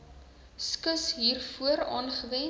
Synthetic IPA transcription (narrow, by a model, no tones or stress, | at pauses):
skəsɦiːrfuəɾɑːnχəvɛn